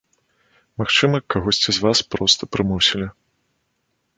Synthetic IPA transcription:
maxt͡ʂɨmɐkaɣɔsʲt͡sʲizvaspɾɔst̪ɐpɾɨmɔsʲilʲi

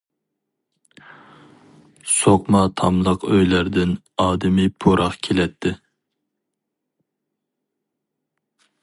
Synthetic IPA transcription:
soqmɑt̪ʰɑmlˠəqøjlæɾd̪ɪn | ɑːd̪ɪmɪpʰoɾʔɑχkʲʰelɛt̪ʰːɪ

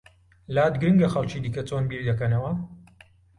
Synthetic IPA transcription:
laːd̪ɡɨɾɨŋɡɐxɐlt͡ʃiːd̪iːkɐt͡soːnbiːɾd̪ɐkɐnɐwɐ

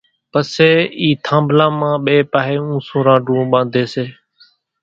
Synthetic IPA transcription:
pəseːiːt̪ʰãːmblãːmãːɓeːpaːɦeːũːsũːɾãːɖũːɓãːnd̪ʱeːseː

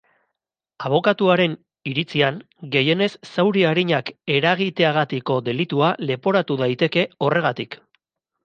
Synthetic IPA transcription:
aβ̞o̞kat̪uaɾe̞n | iɾit͡siaŋ | ɡe̞je̞ne̞sːawɾiaɾiɲake̞ɾaɣ̞it̪e̞aɣ̞at̪iko̞d̪e̞lit̪uale̞po̞ɾat̪uðajt̪e̞ke̞o̞re̞ɣ̞at̪ik

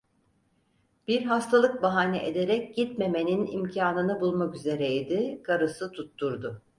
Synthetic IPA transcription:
b̥iɾɦast̪ʰalˠɯk̚baɦaːniʔed̪e̞ɾɛc̚ɟ̥it̪me̞me̞ninḭmcʰaːnɯnɯbulˠmakyze̞ɾeid̪ikʰaɾɯsɯt̪ʰut̪ːuɾd̪ʊ

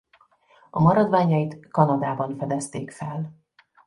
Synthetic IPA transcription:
ɒmɒɾɒd̪vaːɲɒjit̪kɒnɒd̪aːbɒɱfɛd̪ɛst̪eːkfɛl

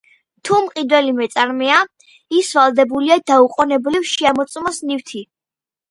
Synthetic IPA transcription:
t̪ʰumqʼid̪wɛlimɛt̪sʼaɾmɛa | isvalˠd̪ɛbuliad̪auqʼɔnɛblifʃiamɔt̪sʼmasnift̪ʰi

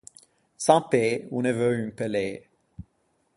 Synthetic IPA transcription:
sɑ̃peunəvøynpəle

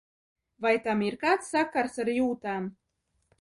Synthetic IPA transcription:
vajt̪amiɾkaːt̪sːakaɾsaɾjuːt̪aːm

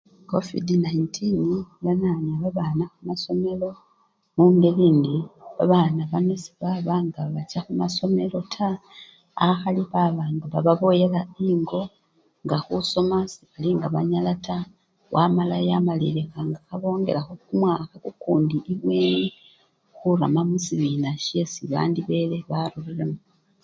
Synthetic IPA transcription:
ko̞vḭdinaintʰiniβananaβaβanaxumaso̞me̞lo̞ | muːndeliːndiβaβanaβanesi̥βaβaŋɡaβat͡ʃaxumaso̞me̞lo̞tʰa | axaliβaβaːnduβaβaβo̞je̞laiːŋɡo̞ | ŋɡaxuso̞masiβaliŋɡaβaɲalata | wʔamalajamalḭlexaŋɡaxaβo̞ːŋɡe̞̰laxokumwakakukuːndiiβweni | xuɾamamusiβiːnaʃesiβa̰ːndiβe̞le̞βaɾuriɾemu

